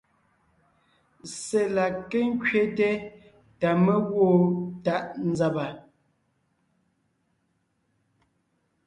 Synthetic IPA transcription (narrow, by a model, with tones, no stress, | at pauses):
se˨la˨ke˦ŋ̩˦kɥe˦te˦ | ta˨mɛ˦ɣwo˦˨ta˦ʔn̩˨za˨ba˨